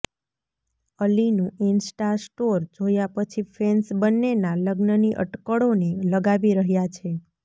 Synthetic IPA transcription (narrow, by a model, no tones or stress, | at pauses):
əlinũinsʈasʈoɾd͡ʒojapət͡ʃʰifensbənːenaləɡnəniʔə̰ʈkəɽoneləɡaʋiɾəɦjat͡ʃʰe